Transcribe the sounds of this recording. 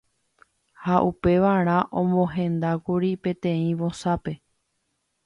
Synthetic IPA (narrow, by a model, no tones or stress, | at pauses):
haʔupe̞ʋaɾ̃ãʔõmõɦẽ̞nd̪akuɾipẽ̞t̪ẽ̞ĩʋo̞sape̞